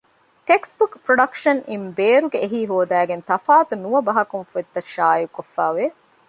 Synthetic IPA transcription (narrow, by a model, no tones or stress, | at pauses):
ʈeksbukpɾoɖɐkʃɐnimbeːɾuɡeːɦiːɦoːd̪æːɡent̪ɐfaːt̪unuɐbɐɦɐkunfet̪ːɐʃaːjukofːæːʋe